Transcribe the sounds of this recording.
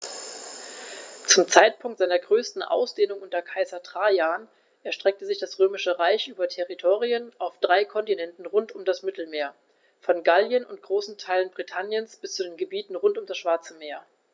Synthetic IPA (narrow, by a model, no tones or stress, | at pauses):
t͡sʊmt͡saɪt̚pʰʊŋk̚tzaɪnɐɡʁøːstn̩ʔa̰ʊsd̥eːnʊŋʔʊntɐkʰaɪzɐtʁ̥aːjaːn | ʔɛɐʃtʁ̥ɛk̚təzɪçd̥asʁøːmɪʃəʁaɪçʔyːbɐtʰɛʁitʰoːʁiənʔaʊfd̥ʁaɪkʰɔntinɛntn̩ʁʊntʊmdasmɪtl̩meːɐ | fɔnɡaljənʊnt̚ɡ̥ʁoːsn̩tʰaɪlənbʁitʰanjənsb̥ɪst͡sudeːnɡəbiːtn̩ʁʊntʊmdasʃv̥aɐt͡səmeːɐ